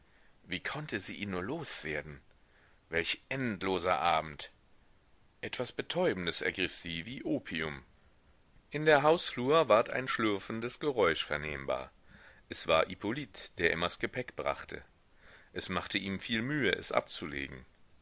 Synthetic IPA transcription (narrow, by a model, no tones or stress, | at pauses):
viːkʰɔntʰəziːʔiːnuːɐloːsv̥eːɐdn̩ | vɛlçʔɛntloːzɐ̰ʔaːbm̩t | ʔɛtv̥asb̥ətʰɔʏbn̩dəsʔɛ̰ɐɡʁɪfz̥iːviːʔoːpʰiʊm | ʔɪndeːɐɦaʊsfluːɐvaːɐtʰa̰ɪnʃlʏɐfn̩dəsɡ̥əʁɔʏʃfɛɐneːmba̰ːɐ | ʔɛsv̥a̰ːɐʔipʰolitd̥eːɐʔɪmɐsɡ̥əpʰɛkb̥ʁa̰χtʰə̰ | ʔɛsmaχtʰəʔiːmfiːlmyːəʔɛ̰sʔa̰p̚t͡sulḛːɡŋ̩